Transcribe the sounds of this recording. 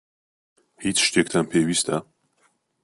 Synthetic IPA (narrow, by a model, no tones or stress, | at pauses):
hiːt͡ʃʃt̪ekt̪ʰanpʰeːwiːst̪ʰa